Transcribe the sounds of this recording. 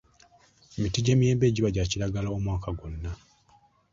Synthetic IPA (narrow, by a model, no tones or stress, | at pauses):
mitiɟe̞ːmije̞ːmbe̞ːɟiβaɟaːcilaɡalao̞mwaːkaɡo̞nːa